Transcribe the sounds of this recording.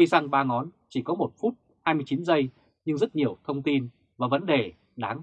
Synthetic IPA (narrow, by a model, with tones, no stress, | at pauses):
i˧jsa˧ŋɓaː˧ŋɔ˨˦nt͡ɕi˧˩kɔ˨˦mo˨˩t̚fu˦˥t̚ | haː˧jmɨ˧əjt͡ɕi˨˦nzə˧j | ɲɨ˧ŋzə˦˥t̚ɲi˨˩əwt̪ʰə˧wŋ͡mt̪i˧n | vaː˨˩və˨˦nɗe˨˩ | ɗaː˨˦ŋ